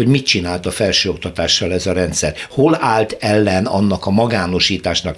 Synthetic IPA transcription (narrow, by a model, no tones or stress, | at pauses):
o̞ɟmit̪t͡ʃinaːlt̪ɒfɛlʃøːo̞kt̪ɒt̪aːʃːɒlɛzɒɾɛnt̪sɛrholaːlt̪ɛlːɛnɒ̰nːɒkɒmɒɡaːno̞ʃiːt̪aːʃnɒk